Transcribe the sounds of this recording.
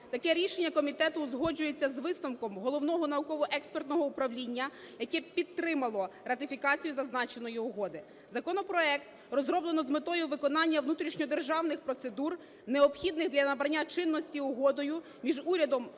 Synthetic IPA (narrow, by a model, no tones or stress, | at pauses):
t̪ɐkɛɾʲiʃenʲːɐkɔmʲit̪ɛt̪ʊzɦɔd͡ʒʊjet͡sʲːɐzʋɪsnɔmkɔmɦɔlˠɔwnɔɦɔnɐukɔʋɔʔɛkspert̪nɔɦɔʊpɾɐʋlʲinʲːɐ | jɐkɛpʲid̪̚t̪ːɾɪmɐlˠɔrɐt̪ɪfʲikɑt͡sʲijuzɐznɑt͡ʃe̞nɔjiʊɦɔd̪ɪ | zɐkɔnɔpɾɔɛkt̪ | rɔzɾɔblˠenɔzmɪt̪ɔjʊʋɪkɔnɑnʲːɐʋnut̪ɾʲiʃnʲɔd̪erʒɑwnɪxpɾɔt̪se̞d̪ur | neɔpxʲid̪nɪɣd̪lʲɐnɐbɾɐnʲːat͡ʃɪnːɔsʲtʲiʊɦɔd̪ɔjʊ | mʲiʒuɾʲɐd̪ɔm